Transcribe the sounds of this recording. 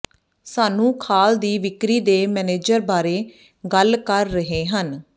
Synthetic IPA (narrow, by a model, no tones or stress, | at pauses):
saːnũːkʰaːld̪iːʋɪkɾiːd̪eːmɛːneːd͡ʒəɾbaːɾeː | ɡəlkəɾːəɦeːɦən